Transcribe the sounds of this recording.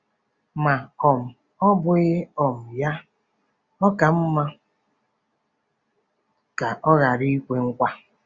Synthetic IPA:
ma˨ɔ˨m̩˨ | ɔ˦bʊ˦ɣɪ˦ɔ˨m̩˨ja˦ | ɔ˦ka˨m̩˦ma˦ | ka˨ʔɔ˦ɣa˨ɾi˦i˦kʷe˨ŋ̩˦kʷa˦

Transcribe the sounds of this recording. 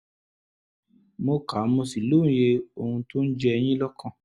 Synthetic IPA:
mo˧ka˨˦mo˧si˨lõ˦˨je˧o˧˨hũ˧to˦n̩˦d͡ʒɛ˦˧j̃ĩ˦lɔ˦kʰã˦˨

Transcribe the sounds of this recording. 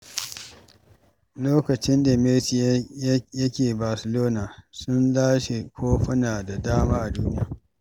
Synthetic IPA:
loː˦kɐ˨t͡ʃɪ˦nda˨mɪ˦lt͡ʃi˨˦jjɐ˦kʲeː˨baː˨sɪ˨loː˦naː˨sʊ˦nlaː˦ʃe˨kʷoː˦ɸʊ˦naː˨da˨daː˦maː˦ʔa˨duː˦nɪ˦ja̰ː˨

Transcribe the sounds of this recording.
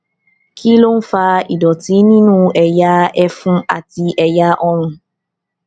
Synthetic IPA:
kʰi˦lo˦n̩˦faː˦i˨dɔ˨ti˨˦nĩ˦nũ˦ɛ˨ja˦ɛ˦fũ˦a̰˨ti˧ʔɛ˨ja˦ʔɔ˦ɾ̃ʊ̃˧

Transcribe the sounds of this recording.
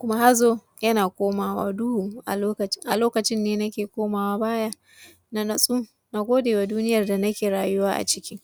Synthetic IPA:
kʷʊ˦ma˦ha˦zoː˦˨ | jɐ˦naː˨kʷoː˦maː˦˨wa̰ː˦du˦hu˨ʔa˨˦kɐ˨˦ʔa˨loː˦kɐ˨t͡ʃɪ˦nːeː˦nɐ˦kʲeː˨kʷoː˦maː˨waː˦baː˦ja˦ | na˨nɐ˨sʼu˦ | na˨ɡʷoː˦deː˨wa˨duː˦nɪ˦jɐ˨rda˨nɐ˦kʲeː˨ɽaː˨jʊ˦waː˦ʔa̰˨t͡ʃɪ˦kʲɪ˦ŋ

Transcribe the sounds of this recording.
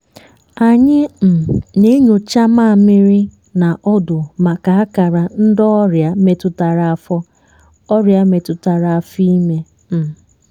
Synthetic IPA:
a˨ɲɪ˦m̩˨ne˦ɲo˨t͡ʃa˦ma˦˨mɪ˦ɾɪ˦ | na˨ʔɔ˦dʊ˨ma˨ka˨a˦ka˨ɾa˨n̩˦dɔ˦ɾja˨me˨tʊ˨ta˨ɾa˨a˨fɔ˦ | ɔ˦ɾja˦me˨tʊ˨ta˨ɾa˨a˨fi˦me˦ | m̩˨

